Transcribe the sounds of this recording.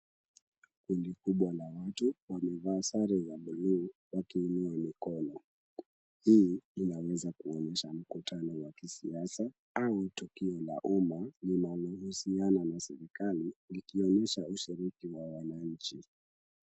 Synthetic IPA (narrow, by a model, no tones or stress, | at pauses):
kundikuɓwalawatuwamɛvaːsaɾɛzaɓuluwakiːnuamikɔnɔ | hiːinawɛzakuɔnɛʃam̩kutʰanɔwakisiasa | autukiɔla̰ʔumanimaluhusiananasɛɾikalilikiɔnɛʃauʃiɾikiwawanaɲ̩t͡ʃi